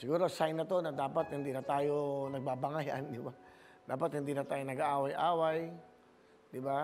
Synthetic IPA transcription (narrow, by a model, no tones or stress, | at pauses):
sɪɡuːɾosajnːɐt̪o̞nɐd̪aːpat̪̚hɪnd̪inɐt̪aːjonɐɡ̚baːbɐŋajʔa̰nd̪ɪba | d̪aːpat̪hɪnd̪iːnɐt̪aːjonɐɡaʔaːwajʔaːwaj | d̪ɪba